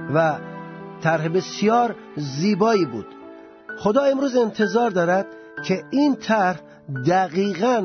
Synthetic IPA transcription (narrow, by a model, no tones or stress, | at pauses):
væt̪ʰæɾɦebesijɒːɾ | ziːbɒːiːbuːd̪̥ | xod̪ɒːe̞mɾuːze̞nt̪ʰe̞zɒːɾd̪ɒːɾæd̪̥ | kʰeiːnt̪ʰæɾh | d̪æɣiːɣæn